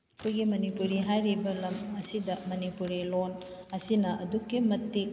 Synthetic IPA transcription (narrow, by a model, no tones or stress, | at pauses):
ɐkʰojɡimɐnipuɾiɦajɾibɐlɐmɐsidɐmɐnipuɾilonɐsinɐʔɐdukːimɐtːik̚